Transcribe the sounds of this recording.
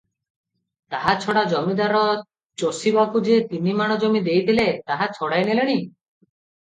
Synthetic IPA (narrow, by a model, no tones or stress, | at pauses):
t̪aɦat͡ʃʰɔɽad͡ʒɔmid̪aɾɔ | t͡ʃosibakud͡ʒet̪inimaɽ̃ɔd͡ʒɔmid̪ejt̪ʰilet̪aɦat͡ʃʰɔɽajneleɽ̃i